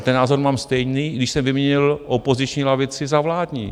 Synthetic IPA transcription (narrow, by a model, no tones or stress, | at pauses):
t̪ɛnːaːzoɾmaːmst̪ɛjniːɡdɪʃsɛmvɪmɲɛɲɪlʔopo̞zɪt͡ʃɲiːlavɪt͡sɪzavlaːdɲḭː